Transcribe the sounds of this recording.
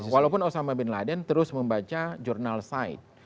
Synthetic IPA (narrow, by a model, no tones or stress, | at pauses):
walaupʊnosamabɛnladənt̪əɾʊsməmbat͡ʃad͡ʒurnalsaɪ̰t̪̚